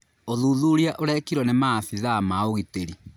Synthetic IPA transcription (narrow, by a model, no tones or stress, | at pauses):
oðuðuɾiaʔoɾɛkiɾwɔnemaθiðamaoɣiteɾi